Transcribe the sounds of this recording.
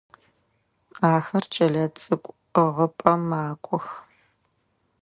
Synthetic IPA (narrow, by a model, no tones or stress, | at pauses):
aːxɐrt͡ʃʼɐɮɐt͡sʼɨkʷʼ | ʁəpʼɐmaːkʷʼɔx